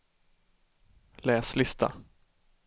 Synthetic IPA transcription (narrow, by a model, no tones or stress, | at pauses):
lɛːslɪst̪ʰa̰